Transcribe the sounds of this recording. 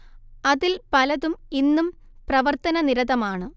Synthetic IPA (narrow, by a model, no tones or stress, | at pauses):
ɐðilpɐlɐðuminːum | prɐʋɐrt̪ɐnɐniɾɐðɐmaːɳɨ